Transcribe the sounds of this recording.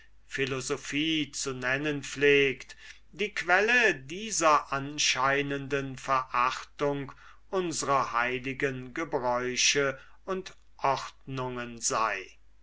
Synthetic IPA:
fɪlozofiːt͡sunɛnənfleːkt | diːkv̥ɛlədiːzɐʔanʃaɪnəndənfɛɐʔaχtʊŋk | ʔʊnzəʁɐhaɪlɪɡənɡəbʁɔʏʃə | ʊnt | ʔɔχtnʊŋənzaɪ

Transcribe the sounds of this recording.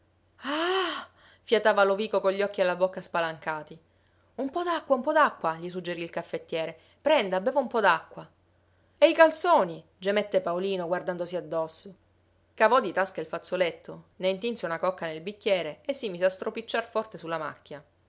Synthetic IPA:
a | fjat̪aːvaloviːkokoʎːiɔkːialːabokːaspalaŋkaːt̪i | umpɔd̪akːwaumpɔd̪akːwaʎisud͡ʒːeɾiːlkafːet̪ːjɛːɾe | pɾɛnd̪abeːvaumpɔd̪akːwa | eikalt̪soːni | d͡ʒemɛt̪ːepaoliːnoɡward̪and̪osiad̪ːɔsːo | kavɔd̪it̪askailfat̪sːolet̪ʰːoneint̪̬inseunakɔkːanelbikːjɛːɾeesːimiːseast̪ɾopit͡ʃːarfɔrt̪esulːama̰kːja

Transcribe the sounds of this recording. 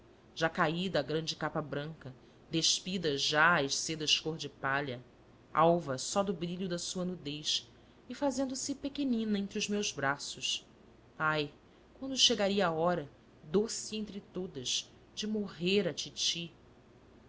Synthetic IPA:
ʒ̥akaid̪ɐɡɾɐ̃d͡ʒɪkapɐbɾɐ̃ŋkɐ | d̪eʃpid̪ɐʒaajʃsed̪ɐʃkoɾd͡ʒɪpaʎɐ | a̰wvɐsɔd̪ʊbɾiʎʊd̪ɐsuɐnud̪ejʃ | ɪfazẽnd̪ʊsɪpekenĩnɐẽnt̪ɾiʊzmewzbɾasʊs | aj | kwɐ̃nd̪ʊʃeɡaɾiɐaɔɾɐ | d̪osiẽñt̪ɾɪt̪od̪ɐz | d͡ʒɪmoɦeɾɐt͡ʃit͡ʃi

